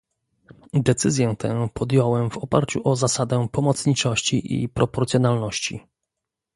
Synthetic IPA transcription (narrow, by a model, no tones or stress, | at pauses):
d̪ɛt̪sɘzʲjɛt̪ʰɛ̃pʰɔd̪jɔwɛmvɔpa̰ɾt͡ɕuʔɔzasad̪ɛpɔmɔt̪sɲit͡ʂɔɕt͡ɕiʔḭpɾɔpɔɾt̪sʲjɔnalnɔɕt͡ɕḭ